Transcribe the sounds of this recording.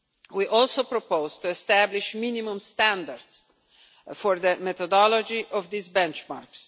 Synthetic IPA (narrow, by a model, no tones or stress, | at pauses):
wiʔɔlˠsopɾɔpoʊzt̪uɛst̪æbliʃminimũmst̪æ̃nd̪əɾds | fɔɾðəmɛt̪ɔd̪ɔlɔd͡ʒiʔɔvd̪isbɛ̃nt͡ʃmaɹks